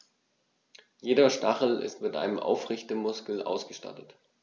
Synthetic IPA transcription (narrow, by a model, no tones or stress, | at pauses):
jeːɾɐʃtaχl̩ɪ̰stmɪtʔa̰ɪnəmʔa̰ʊfʁɪçtəmʊskl̩ʔa̰ʊsɡ̥əʃta̰tət